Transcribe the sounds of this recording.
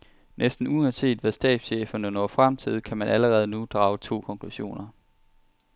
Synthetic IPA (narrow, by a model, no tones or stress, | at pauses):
nʔesd̥n̩uɒnse̝̰ːd̥ʋæsd̥ɛ̰ːd̥sɕḛːfɐnənɒfʁamt͡sʰið̞̰ˠkʰæmænʔæləʁɛːð̞ˠənud̥ʁɑ̈ːʊt͡sʰo̝̰ːkʰɒ̽ŋkʰluɕo̝̰ːnɐ